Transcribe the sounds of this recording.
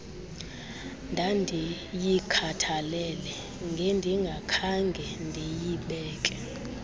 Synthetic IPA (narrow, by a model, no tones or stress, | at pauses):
ndʱandʱi | jikʰatʰalɛlɛ | ŋɡʱendʱiŋɡʱakʰaŋɡʱɛndʱejiɓɛːkʼɛ